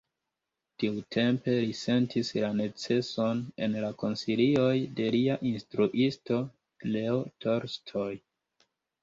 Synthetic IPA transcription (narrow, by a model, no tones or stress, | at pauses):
tiutʰe̞mpe̞lise̞ntʰislane̞t͡se̞so̞ne̞̰nlako̞nsilio̞jde̞liaʔinstɾuʔisto̞ | leotʰo̞ɾstʰo̞j